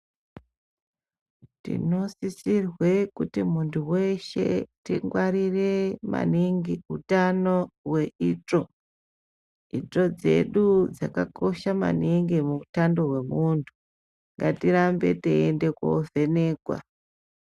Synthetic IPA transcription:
tḭno̞sisirwe̞kutimuntʰuwe̞ʃe̞̰tiŋɡwaɾire̞ma̰niŋɡiutanowe̞ito | ito̞d͡ze̞̰ɗud͡zakako̞ʃama̰niŋɡimuutando̞ɦwe̞muntʰu | ŋɡatiɾambe̞̰teende̞ko̰ve̞neːkwa̰

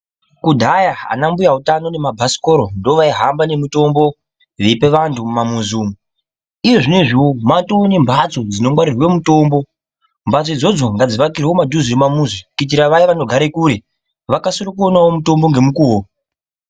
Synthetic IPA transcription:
kudʱajaa̰nambujautano̞ne̞mabʱasi̥ko̞ɾo̞ndoʋaiɦambane̞muto̞mbo̞ | ʋepe̞ʋantʰumamuzuːmu | ijo̞ʐine̞ʐiwomatoone̞mbʱat͡so̞d͡zino̞ŋwaɾirwe̞muto̞mbo | mbʱat͡soid͡zo̞d͡zo̞ŋɡad͡ziʋakirewo̞madʱuzirimamuzikit̬iɾaʋaiʋano̞ɡʱaɾekuɾe̞ | ʋakasorokuonawomuto̞mbo̞ŋɡe̞mukuo

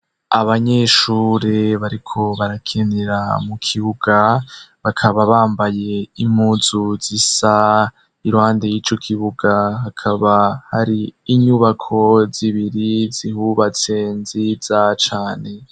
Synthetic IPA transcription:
aβaɲeʃuːɾeβaɾikʰo̞βaɾakʰeneɾamukʰiβuɡ̥aβakʰaβaβaːmbaje̞imhuːzuzisa | iɾuhaːnde̞jiːt͡ʃo̞kʰiβuɡahakʰaβahaɾiːɲuβakʰo̞ziβiɾizihuβat͡se̞nziz̥at͡ʃaːne̞

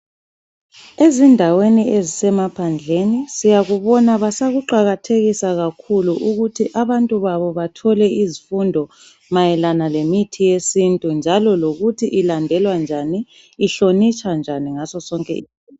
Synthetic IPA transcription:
ezindʱaweniezisɛmapʰand͡ɮʱenisijaɣuβɔnaβasaɣuǃaɣatʰeɣisaɣakʰuluʔuɣutʰiʔaβantʼuβaβɔβatʰɔlɛizifundʱɔ | majɛlanalemitʰijesintʼund͡ʒʱalɔloɣutʰiʔilandʱɛlwand͡ʒʱaniː | ɬonit͡ʃʰʼand͡ʒʱaniŋasɔsɔŋkʼɛ̰

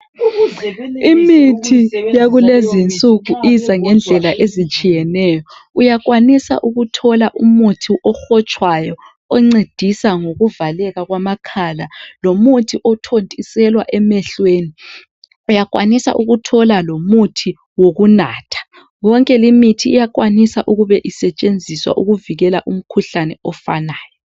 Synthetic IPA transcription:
imitʰijaɣulezint͡sʼuɣuizaŋɛnd͡ɮʱɛlaʔezit͡ʃʼijɛnɛːjɔujaɣ̬wanisa̰ʔuɣutʰɔlaʔumutʰiʔɔxɔt͡ʃʼwajɔ | ɔŋ͡ǀed̥ʱisaŋoɣuvalɛɣaɣwamakʰalalomutʰiʔɔtʰontʼisɛlwaʔɛmɛɬweːni | ujakʼwa̰nisa̰ʔuɣutʰɔlalomutʰi | woɣunaːtʰḁ | wɔŋkʼɛlimitʰiːjak̬ʼwanisaʔuɣuβɛʔisɛt͡ʃʼend͡zʱiswa̰ʔuɣuviɣɛlaʔum̩kʰuɬanɛɔfa̰naːjɔ

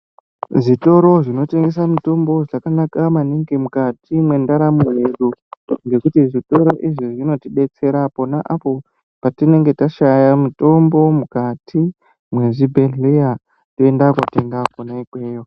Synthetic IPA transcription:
ʐito̞ɾo̞ʐino̞te̞ŋɡe̞s̬amuto̞mbo̞ʐakanakamaniŋɡimukatimwe̞ndaɾamuɦeɗuŋɡe̞kutiʐito̞ɾo̞ʔiʐiʐino̞tiɓe̞t͡se̞ɾapo̞naʔapo̞ | patine̞ŋɡe̞taʃajamuto̞mbo̞mukatʰi | mwe̞ʐibʱeɮeja | toendakwateŋɡaponaikweːjo

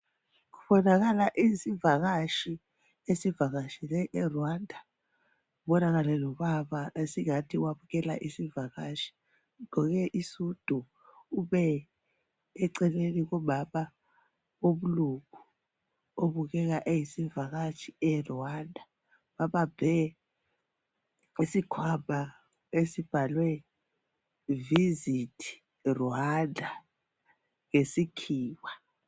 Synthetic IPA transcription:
ɣuβɔnaɣalaʔisivaɣaʃi | esivaɣaʃilɛʔɛrwandʱa | uɓɔnaɣalɛlɔβaβaesiŋatʰiwaβuɣɛla̰ʔisivaɣaʃi̥ | ŋɔɣɛʔisud̥ʱu | uβɛ | ǀɛleniɣɔɓaɓa | ɓoɓulukʰu | oɓuɣ̬ɛk̬aʔejisiɱvʱaɣ̬at͡ʃʰiɛrɔandʱa | ɓaɓab̥ʱɛ | esikʰwamʱa | esib̥ʱalwɛ | vizitʰi̥ | ruandʱa | ŋesikʰiːwa

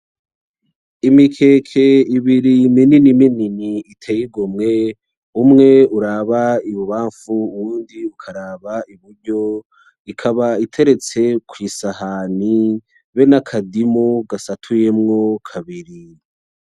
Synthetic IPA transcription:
imikʰe̞ːkʰe̞iβiɾimininimininiitʰejiɡomŋe̞ | umŋe̞uɾaβaiβuβaːɱfuːwuːndiukʰaɾaːβaiβuɾɟo | ikʰaβaitʰe̞ɾe̞t͡se̞kʰwisahaːni | βe̞nakʰadimoɡasatʰujemŋokʰaβiɾi

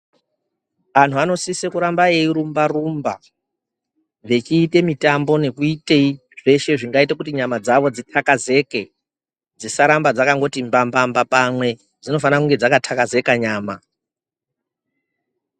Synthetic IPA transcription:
an̤uano̞sisekuɾambaeiɾumbarumba | ʋe̞t͡ʃiːte̞mitambo̞ne̞kuite̞i | ʐ̥e̞ʃe̞ʐiŋɡaitekutiɲamad͡zaʋo̞d͡zitʰakaze̞ke | d͡zisaɾambad͡zakaŋɡo̞timbambambapamwe̞ | d͡zino̞fanakuŋɡed͡zakatʰakaze̞kaɲaːma

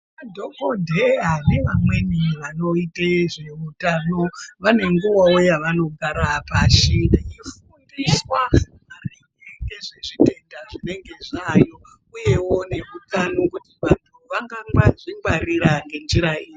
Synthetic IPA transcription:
ʋadʱokodʱeɦaneʋamwe̞niʋano̞iteʐeutano̞ʋane̞ŋɡuwawojaʋano̞ɡʱaɾapaʃinifundiswamari | eŋeʐeʐite̞ndaʐine̞ŋɡe̞ʐajo | ujewo̞ne̞mukanokutiʋantʰuʋaŋɡaŋɡaʐimɡwaɾiɾaŋɡe̞nd͡ʒiɾaiːji

